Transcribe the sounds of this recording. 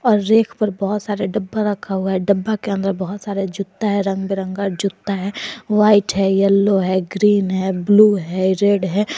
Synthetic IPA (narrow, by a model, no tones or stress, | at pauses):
ɔːɾːeːkʰpəɾbɔɦʊt̪saːɾeɖəbːaɾɐkʰaɦuaɦɛɖəbːakeə̃nd̪əɾbɔɦʊt̪saːɾed͡ʒʊt̪ːaɦɛɾɐ̃ŋɡbeɾə̃ŋɡad͡ʒʊt̪ːaɦɛːʋaːɪʈɦɛjɛlːoɦɛɡɾiːnɦɛbluːɦɛɾeːɖɦɛː